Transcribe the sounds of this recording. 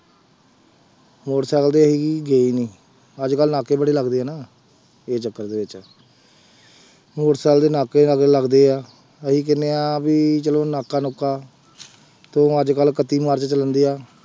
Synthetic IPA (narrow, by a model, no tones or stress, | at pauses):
moːʈsɛːld̪eːəɦiːkiːɡeːiːniː | əd͡ʒkəlnaːkeːbəɽeːləɡd̪eːɛːnaː | eːt͡ʃəkːəɾd̪eːʋɪt͡ʃː | moːʈsɛːld̪eːnaːkeːəɡləɡd̪eːaː | əɦiːk̬ɪnːeːaːbiːt͡ʃəloːnaːkaːnoːkːaː | t̪õːəd͡ʒkəlkət̪iːmaːɾt͡ʃət͡ʃələnd̪iːaː